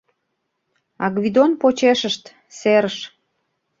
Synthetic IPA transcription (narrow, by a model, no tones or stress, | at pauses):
ɑɡβʲid̪onpot͡ɕeʃəʃt̪ | seɾəʃ